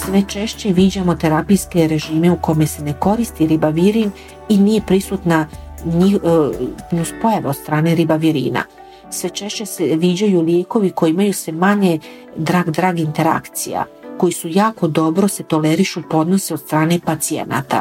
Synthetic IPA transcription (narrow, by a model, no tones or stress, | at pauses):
sʋe̞t͡ʃe̞ʃt͡ɕe̞ʋiːd͡ʑamo̞t̪e̞ɾapijske̞ɾe̞ʒiːme̞uko̞me̞se̞ne̞ko̞ɾist̪iɾibaʋiɾin | inije̞pɾisut̪na | ɲix | nuspo̞jaʋeod̪st̪ɾaːne̞ɾibaʋiɾḭːna̰ | sʋe̞t͡ʃe̞ʃt͡ɕe̞seʋid͡ʑajulje̞ːko̞ʋiko̞jeimajusʋe̞maɲe̞ | d̪ɾaːɡd̪ɾaːɡint̪e̞ɾa̰kt̪sija̰ko̞jisujaːko̞d̪o̞bɾo̞se̞t̪o̞leɾiʃupo̞d̪no̞seod̪st̪ɾaːne̞pat̪siḛna̰t̪a̰